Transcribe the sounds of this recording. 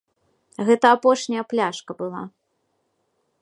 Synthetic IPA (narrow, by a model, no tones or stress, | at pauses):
ɣɛt̪ɐːpɔʂnʲɐjɐplʲaʂkɐbɨlˠa̰